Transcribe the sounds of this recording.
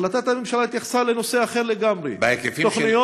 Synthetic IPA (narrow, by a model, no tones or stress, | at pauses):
lat̪at̪amemʃalait̪jaχe̥saleno̞seaχe̞ʁleɡamʁḛbeekefioχnijo